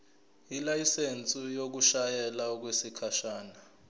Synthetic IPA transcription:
ilajisent͡sʼijok̬uʃajɛlak̬wesikʰaʃaːna

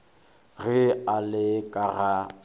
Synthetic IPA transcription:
ɣɪalɪkʼaɣa

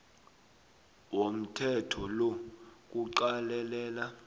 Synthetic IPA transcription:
wom̩tʰɛtʰɔlok̬uǃalɛlɛːla

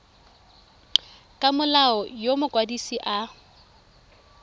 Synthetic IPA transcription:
kʼamʊlaɔjomʊkʼwadisiʔa

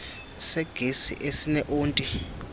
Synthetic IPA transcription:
sɛɡ̥ʱesḭʔesinɛʔuːntʼi

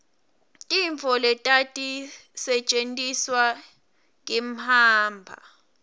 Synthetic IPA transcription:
tʼiɱfɔlɛtʼatʼisɛt͡ʃʼentʼiswa | ŋʼim̩haːmbʱa̰

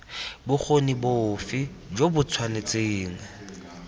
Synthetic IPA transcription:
bʊk͡xʰonibofɪ | d͡ʒobʊt͡sʰwanet͡sʼeːŋ̩

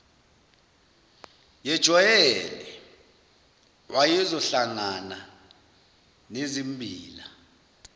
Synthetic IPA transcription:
jɛd̥ʒ̥ʱɔjɛlɛ | wajizɔɬaŋana | nezimbʱiːla

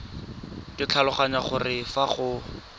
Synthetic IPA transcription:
kɪt͡ɬʰalʊχaɲaχʊrɪfaχʊ

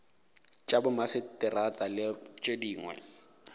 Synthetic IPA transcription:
t͡ʃʼabʊmasɪtɪratʼalɪt͡ʃʼediːŋwɛ̰

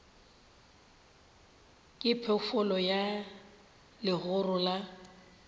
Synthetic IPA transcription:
kʼɪpʰɛfʊlɔja | lɪɣʊrʊla

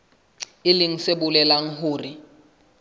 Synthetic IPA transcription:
iliŋ̩sebulɛlaŋ̩ɦuːri

